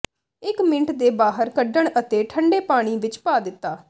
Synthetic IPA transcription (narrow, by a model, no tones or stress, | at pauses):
ɪkmɪɳʈd̪eːbaːɦəɾkəɖəɳət̪eːʈʰəɳɖeːpaːɽ̃iːʋɪt͡ʃpaːd̪ɪt̪ːaː